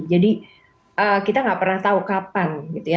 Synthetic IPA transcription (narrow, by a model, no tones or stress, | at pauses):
d͡ʒadi | ʔəːkit̪aŋɡaʔpərnaht̪aukapanɡit̪uja